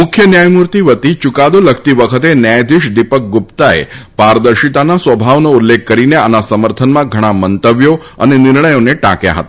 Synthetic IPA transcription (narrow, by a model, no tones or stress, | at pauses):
mʊkʰjənjajmuɾt̪iʋət̪it͡ʃukad̪oləkʰt̪iʋəkʰət̪enjajd̪iʃd̪ipək̚ɡupt̪aḛpaɾd̪əɾʃit̪anasʋəbʱaʋnoulːekːəɾineanasəməɾt̪ʰənmãɡʱəɽ̃amənt̪əʋjo | ənenɪɾɳəjoneʈa̰kja̰ɦə̰t̪a